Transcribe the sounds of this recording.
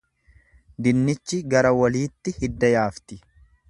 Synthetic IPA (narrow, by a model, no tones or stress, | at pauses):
d̪ɪnːɪt͡ʃːɪɡɐɾɐwɐliːt̪ːɪhɪd̪ːɐjaːft̪ɪ